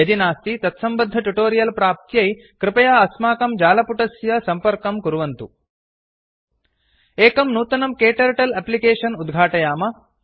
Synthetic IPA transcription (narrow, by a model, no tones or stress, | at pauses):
ɐd̪inaːst̪it̪ɐt̪sɐmbɐd̪ʱːɐʈuʈoːɾijɐlpɾaːp̚t̪jɐj | kɾɪpɐjaːɐsmaːkɐmd͡ʒaːlɐpuʈɐsjɐsɐmpɐɾkɐmkuɾuʋɐnt̪u | eːkɐmnuːt̪ɐnɐmkeːʈɐɾʈɐlɐplikeːʂɐnud̪ɡʱaːʈɐjaːmɐ